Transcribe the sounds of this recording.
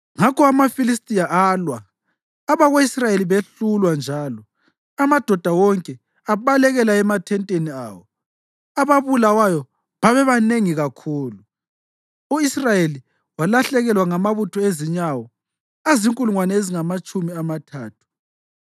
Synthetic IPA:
ŋakɔamafilistʼijaaːlwaː | βaɣoisrajeliβeɬulwand͡ʒʱaːlɔ | amad̥ʱɔd̥ʱawɔŋkʼɛ | aβalɛɣɛlaɛmatʰɛntʼenia̰ːwɔ̰ | aβaβulawajɔ | βaβɛβaneŋiɣakʰuːlu | uisrajeli | walaɬɛɣɛlwaŋamaβutʰɔeziɲawɔ | aziŋkʼuluŋwanɛeziŋamat͡ʃʼumiamatʰaːtʰu̥

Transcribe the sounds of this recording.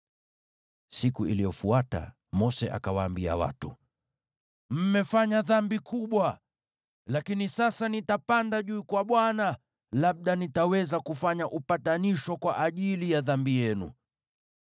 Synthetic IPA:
sikuḭlijɔfuata̰ | mɔsɛʔa̰kawaːmbia̰wa̰tu | m̩mɛfaɲaðambikʰuɓwa | lakinisasanitapandaʄuːkwaɓwana | laɓ̚ɗanitawɛzakufaɲaʔupataniʃɔkwaʔaʄilijaðambijɛnṵ

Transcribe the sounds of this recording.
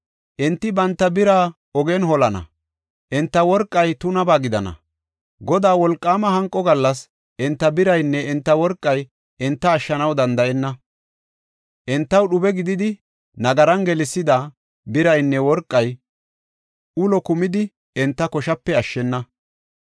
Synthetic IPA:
ʔɛnt̪ːɪbɐnt̪ːɐbɪɾaː | ɔɡɛnɦɔlɐnɐ̰ | ʔɛnt̪ːɐwɔɾkʼːɐjt̪ʊnɐbaːɡɪd̪ɐnɐ̰ | ɡɔd̪aːwɔlkʼːaːmɐɦɐŋkʼːɔɡɐlːɐs | ʔɛnt̪ːɐbɪɾɐjnːɛɪnt̪ːɐwɔɾkʼːɐj | ʔɛnt̪ːɐːʃːɐnɐwd̪ɐnd̪ɐʔɛnːɐ | ʔɛnt̪ːɐwɗʊbɛɡɪd̪ɪd̪ɪ | nɐɡɐɾɐnɡɛlɪsːɪd̪ɐ | bɪɾɐjnːɛwɔɾkʼːɐj | ʊlɔkʊmɪd̪ɪ | ɛnt̪ːɐkɔʃɐpːɛɐʃːɛnːɐ

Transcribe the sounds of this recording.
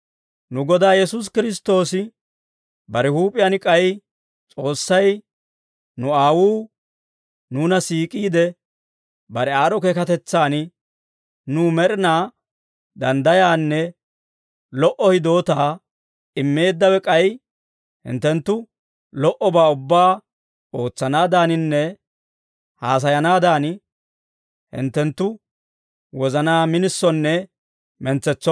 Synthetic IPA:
nʊɡɔd̪aːjɛsʊs̬kɪɾɪs̬t̪o̞ːsɪ | bɐɾɛhuːpʼːɪjanɪkʼɐj | t͡sʼo̞ːsːɐj | nʊaːwuː | nuːnɐsiːkʼiːd̪ɛ | bɐɾɛaːɾɔkeːkɐt̪ɛt͡sːaːnɪ | numɛɾɪnaː | d̪ɐnd̪ɐjaːnːɛ | lɔʔɔhɪd̪o̞ːt̪aː | ɪmːe̞ːd̪ːɐwɛkʼɐj | hɪ̰nt̪ːɛnt̪ːʊ | lɔʔɔbaːʊbːaː | o̞ːt͡sːɐnaːd̪aːnɪnːɛ | haːs̬ɐjɐnaːd̪aːn | hɪ̰nt̪ːɛnt̪ːʊ | wɔzɐnaːmɪnɪsːɔnːɛ | mɛnt͡sːɛt͡sːɔ

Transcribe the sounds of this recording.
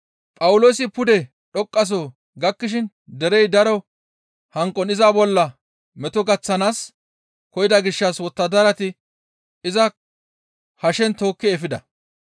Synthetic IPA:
pʼɐwʊlo̞ːsɪpʊd̪ɛ | ɗɔkʼːɐs̬o | ɡɐkːɪʃ̬ɪn | d̪ɛɾɛjd̪ɐɾɔ | hɐŋkʼːɔnɪzabɔlːɐ | mɛt̪ɔɡɐt͡sːɐnaːs | kɔjɪd̪ɐɡɪʃːɐswɔt̪ːɐd̪ɐɾɐt̪ɪ | ɪzɐ | hɐʃɛnt̪o̞ːkːɪɛfɪd̪ɐ

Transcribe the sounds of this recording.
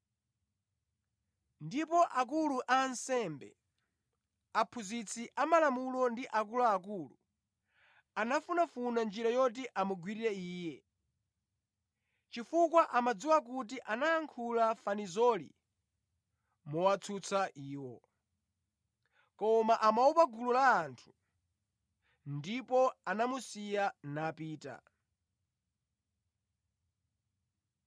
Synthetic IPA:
ndipɔʔak̬uluʔansɛmbɛ̰ | apʰuzit͡sʰiʔamalamulɔndiʔakulaːkulu | anafunafunand͡ʒiɾajɔt̬iʔamuɡwiɾiɾɛiːjɛ | t͡ʃifukwaʔamad͡ziwak̬ut̬iʔanaːŋkʰulafanizɔlḭ | mɔwat͡sʰut͡sʰaʔiːwɔ | kɔmaʔamaupaɡululaːntʰu̥ | ndipɔanamusijanapiːta̰

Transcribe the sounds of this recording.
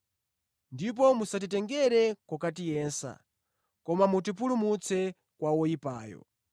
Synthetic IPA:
ndip̬ɔmusat̬itɛŋɡɛɾɛkɔkatijɛːnsa̰ | kɔmamut̬ip̬ulumut͡sʰɛ | kwawɔjipaːjɔ̰

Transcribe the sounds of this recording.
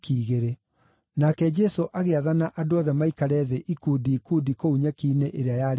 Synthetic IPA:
kiːɣeɾe | nakɛd͡ʒɛsoʔaɣeaðanaʔadoɔðɛmaikaɾɛðɛʔikudiːkudikouɲɛkineʔeɾeajaɾ

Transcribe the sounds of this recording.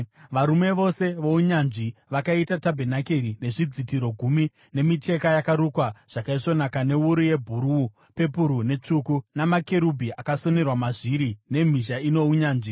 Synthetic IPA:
ʋaɾume̞ʋo̞se̞ʋo̞uɲanʐiʋakaitatabʱenakeɾine̞ʐid͡zitiɾo̞ɡʱumi | ne̞mit͡ʃe̞kajakaɾukwaʐ̥akaiʂo̞nakane̞uɾuje̞bʱuɾu | pe̞puɾune̞t͡ʂukunamakeɾubʱiakaso̞ne̞rwamaʐiɾine̞m̤iʃaino̞uɲaːnʐi

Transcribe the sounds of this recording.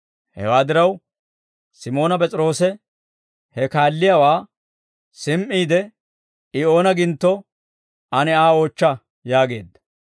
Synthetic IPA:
hɛ̰waːd̪ɪɾɐw | sɪmo̞ːnɐpɛt͡sʼɪɾo̞ːsɛ | hɛkaːlːɪjawaː | sɪmʔiːd̪ɛ | ɪo̞ːnɐɡɪnt̪ːɔ | ɐnɛaːo̞ːt͡ʃːɐ | jaːɡe̞ːd̪ːɐ̥

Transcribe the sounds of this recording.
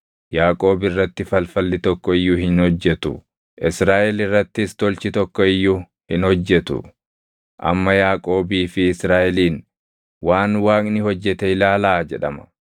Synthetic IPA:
jaːkʼo̞ːbɪrːɐt̪ːɪfɐlfɐlːɪt̪ɔkːɔɪjːʊhɪnhɔd͡ʒːɛt̪ʊ̰ | ʔɪsɾaːʔɛlɪrːɐt̪ːɪst̪ɔlt͡ʃɪt̪ɔkːɔɪjːʊ | hɪnhɔd͡ʒːɛt̪ʊ̰ | ʔɐ̰mːɐjaːkʼo̞ːbiːfɪːsɾaːʔɛliːn | waːnwaːkʼnɪhɔd͡ʒːɛt̪ɛɪlaːlaːd͡ʒɛᶑɐmɐ̥

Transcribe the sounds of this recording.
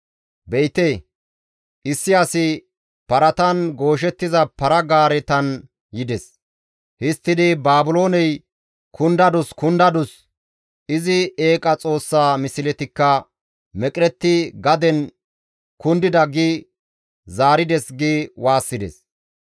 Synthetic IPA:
bɛjt̪eː | ʔɪsːɪɐsɪ | pɐɾɐt̪ɐnɡo̞ːʃ̬ɛt̪ːɪzɐpɐɾɐɡaːɾɛt̪ɐn | jɪd̪ɛs | hɪst̪ːɪd̪ɪbaːbʊlo̞ːnɛj | kʰʊnd̪ɐd̪ʊskʊnd̪ɐd̪ʊs | ɪzɪeːkʼɐt͡sʼo̞ːsːaːmɪsɪlɛt̪ɪkːɐ | mɛkʼɾɛt̪ːɪɡɐd̪ɛn | kʊnd̪ɪd̪ɐɡɪ | zaːɾɪd̪ɛsɡɪwaːsːɪd̪ɛ̰s

